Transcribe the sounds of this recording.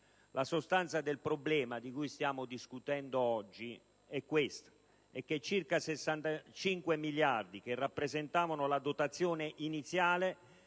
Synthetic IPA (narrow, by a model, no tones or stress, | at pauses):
lʔasost̪ant̪sad̪elpɾoblɛːmad̪ikujst̪jaːmod̪iskut̪ɛnd̪oɔd͡ʒːi | ɛkːwest̪ | ɛkːet͡ʃːirkasesːant̪at͡ʃiŋkwemiljard̪ik̟erːapːɾezent̪aːvanolad̪ot̪at̪sːjoːneʔinit̪sːjaːle